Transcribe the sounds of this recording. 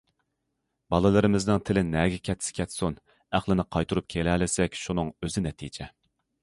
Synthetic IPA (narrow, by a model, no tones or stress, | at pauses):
bɑlˠɨlˠɨɾɨmɪznɨŋt̪ʰɪlɪnɛɡʲɛkʲʰɛt̪sɪ̥kʲʰɛt̪sun | æχlˠɪnɪqʰɑjt̪ʰuɾup̚kʲʰelɛlɪsɛkʲʃunɨŋøzɪnɛt̪ʰid͡ʒɛ